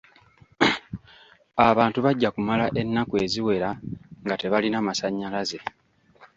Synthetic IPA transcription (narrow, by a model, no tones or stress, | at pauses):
aβaːntuβaɟːakumalaʔe̞nːakue̞ːziwe̞ɾaŋɡate̞βalinamasaɲːalaze̞